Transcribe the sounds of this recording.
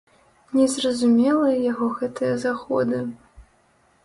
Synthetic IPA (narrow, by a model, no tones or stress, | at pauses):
nʲɛzrɐzumʲɛlˠɐjaɣɔɣɛt̪ɨjɐzaxɔ̰d̪ɨ